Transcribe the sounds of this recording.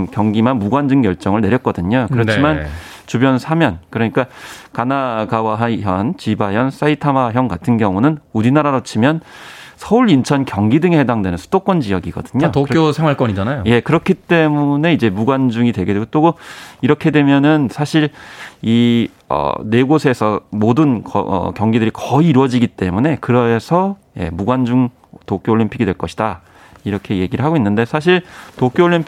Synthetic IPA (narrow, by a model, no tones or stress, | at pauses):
kjʌŋɡimanmuɡwand͡ʑɯŋkjʌɭt͡ɕ͈ʌŋɯɭne̞ɾjʌt̚k͈ʌdɯɲokɯɾʌt͡ɕʰiman | t͡ɕubjʌnsʰamjʌnkɯɾʌɲik͈akanaɡawaɦaɦjʌnt͡ɕibajʌns͈aitʰamaɦjʌŋɡatʰɯnɡjʌŋunɯnuɾinaɾaɾot͡ɕʰimjʌnsʰʌuɾint͡ɕʰʌnkjʌŋɡidɯŋehedaŋdwe̞nɯnsʰu̥d̥ok͈wʌnd͡ʑiʌɡiɡʌ̰dɯɲotok͈ʰjosʰeŋwaɭk͈ʌɲid͡ʑanajjoje̞kɯɾʌkʰit͈e̞mune̞id͡ʑe̞muɡwand͡ʑuŋidwe̞ɡedweɡot͈oɡɯiɾʌkʰe̞dwe̞mjʌnɯnsʰaɕʰiɾi | ʌ̰ne̞ɡosʰe̞sʰʌmodɯnkʌʌ̰kjʌŋɡidɯɾikʌiːɾwʌd͡ʑiɡit͈e̞mune̞kɯɾʌsʰʌ | je̞̰muɡwand͡ʑuŋ | tok͈joɭʎimpʰiɡidwe̞ɭk͈ʌɕʰid̥a | iɾʌkʰe̞je̞ɡiɾɯɭɦaɡoinːɯnde̞sʰaɕ̬ʰiɭtok͈jooʎːimpʰ